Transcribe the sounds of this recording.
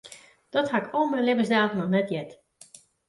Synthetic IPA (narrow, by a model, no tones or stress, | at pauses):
d̥ɔthakoənmɛlɪvəsdaːxənɔxnɛtjɛt